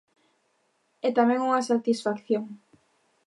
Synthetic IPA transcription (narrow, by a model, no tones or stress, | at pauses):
ɛt̪amɛ̃ŋuŋasat̪isfakθjoŋ